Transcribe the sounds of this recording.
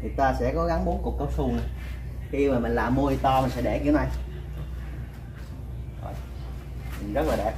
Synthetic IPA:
t̪ʰi˨˩t̪waː˧sɛ̰˧˥kɔ˨˦ɣa˨˦ŋɓu˨˦nku˨˩əkə˨˧˦w̚su˧ŋ͡mna˨˧˩xi˧maː˨˩mï˨˩ŋ̟laː˨˩mːu˧t̪ɔ˧mï˨˩nsɛ̰˧˥ɗḛ˧˩kḭ˧˥ə˦wna˧j | zɔ̰˨˩j | mï˨˩n̟zə˦˥t̚laː˨˩ɛ̰˨˧˩

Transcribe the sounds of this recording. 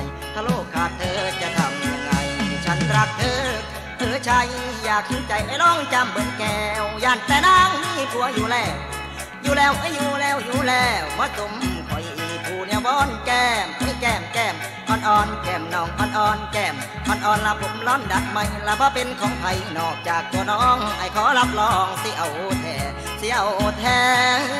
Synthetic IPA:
j | t̪ʰaː˧loː˧˩kʰːaː˧˩t̪ʰɤː˧t͡ɕa˧˩t̪ʰa˧mja˧ŋːa˧jt͡ɕʰa˦˥˩nt̪ɾa˧k̚t̪ʰɤː˧k̚ | t̪ʰɤː˨˦t͡ɕʰaː˧jjaː˨˩k̚sʰu˨˦nt͡ɕa˧˩jʔa˧˦lɔː˧˩ŋt͡ɕa˧mbɤ˨˦nkɛː˧wjaː˧˩nt̪ɛː˧naː˧˩ŋi˧˩pʰu˧˦ɐjuː˧˩lɛː˧˩w | juː˧lɛː˧˩wʔa˧˩juː˧˩lɛː˧˥˩wjuː˧˦lɛː˧wbɔː˧˥so˨˦mkʰɔ˨˦jpʰuː˧˩ni˧wbɔː˧˥˨nkɛː˧mʔa˧˩˦jkɛː˧˩mkɛː˧˩m | ʔɔː˧˩nʔɔː˧nkɛː˧˩mnɔː˨˧˩ŋʔɔː˧˥˩nʔɔː˧nkɛː˧˩m | ʔɔ˧˩nʔɔː˨˧˨nlaː˧˩pʰo˨˦mlɔː˧˥˨nda˨˧˦t̪̚ma˧˩jlaː˧wbɔː˧˦pe˧nkʰɔː˨˦ŋpʰa˧jnɔː˨˩k̚t͡ɕaː˨˩k̚t̪u˧˦nɔː˧˥˦ŋʔa˨˩jkʰɔː˨˦la˦p̚lɔː˧˩˧ŋsi˧˦ʔa˨˩wʔo˧t̪ʰɛː˨˩ | si˧˦ʔa˧˨wʔoː˧t̪ʰɛː˧

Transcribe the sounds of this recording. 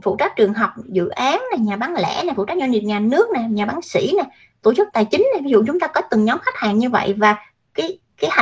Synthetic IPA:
fṵ˧˨t͡ɕa˦˥t̚t͡ɕɨ˨˩əŋɦɔ˨˩wk͡p̚zɨ̰˧˨ʔaː˨˦nnaː˨˩ɲaː˨˩ɓaː˨˦nlɛ̰˧˥naː˨˩fṵ˧˨t͡ɕa˦˥t̚za˧nɲi˨˩ɲaː˨˩nɨ˦˥ək̚naː˨˩ɲaː˨˩ɓaː˨˦nsḭ˧˩naː˨˩ | t̪o˧˩t͡ɕɨ˦˥k͡p̚t̪aː˨˩jt͡ɕï˨˦ŋ̟na˨˩vi˨˦zṵ˧˨t͡ɕʊ˨˦ŋ͡mt̪aː˧kɔ˨˦t̪ɨ˨˩ŋɲɔ˨˦mxa˦˥k̚ha̰ː˧˨nɲɨ˧və̰˧˨jvaː˨˩ | kaː˨˦j | kaː˨˦jh

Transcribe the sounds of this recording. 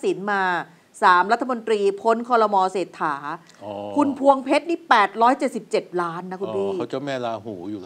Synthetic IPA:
si˩˦nmaː˧ | saː˩˦mɾa˦˥t̪ʰːa˧mo˧nt̪ɾiː˧pʰo˦˥nkʰɔː˧ɾɔ˧mɔː˧seː˨˩t̪ʰːaː˩˦ | kʰu˧npʰu˧əŋpʰe˦˥t̪̚niː˦˥pɛː˨˩t̪̚ɾɔː˦˥jt͡ɕe˨˩t̪̚si˨˩p̚t͡ɕe˨˩t̪̚laː˦˥nːa˦˥ku˧npʰiː˥˩˦t͡ɕa˨˩mɛː˧˩laː˧ɦuː˩˦juː˨˩

